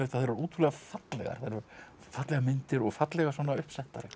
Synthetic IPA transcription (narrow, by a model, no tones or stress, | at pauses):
ejft̪aθeːɾvaɾuːt̪ʰuɾlɛɣafat̪lɛ̰ɣa̰ɾ̥θeɾvaɾ | fat̪lɛɣamɪnt̪ɪɾɔɣfat̪lɛɣasvɔːnaʏhpsɛht̪aɾɪ